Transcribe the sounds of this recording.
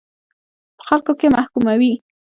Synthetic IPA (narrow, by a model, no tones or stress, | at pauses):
pə̥xalkokemahkumawi